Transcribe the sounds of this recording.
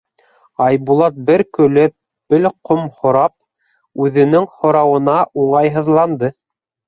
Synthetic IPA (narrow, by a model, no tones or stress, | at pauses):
ɑjbulˠɑt̪̚bɘɾkɵ̆lɘp̚ | bɘlqomhŏɾɑp̚ | ʉðɘ̆nɘŋhŏɾɑwɤ̆nɑʔuɴɑjɦɤ̆ðlˠɑnd̪ɤ